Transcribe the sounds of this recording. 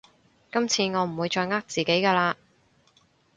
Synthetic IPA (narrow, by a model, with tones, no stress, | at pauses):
kɐ˥mt͡sʰiː˧ŋɔː˨˧m̩˨˩wuː˨˧jt͡ʃɔː˧jŋaː˥k̚t͡siː˨ke˨˥jkaː˧laː˧